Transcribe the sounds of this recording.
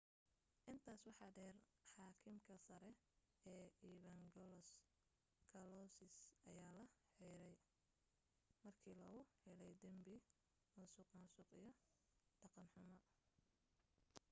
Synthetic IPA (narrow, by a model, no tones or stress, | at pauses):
ʔɪnt̪ʰaːswɑħɑd̪ɛːrħɑːkʰɪmkʰɐsɐɾɛ | ɛːiːβɐŋɡɔlɔs | kʰɐlɔsɪsɐjaːlɐħɛjɾɛj | mɐrkʰiːlɐɣʊhɛlɛjd̪ɐmbɪ | nʊsʊqɑnsʊqijɔ | d̪̥ɑqɑnħʊmɐ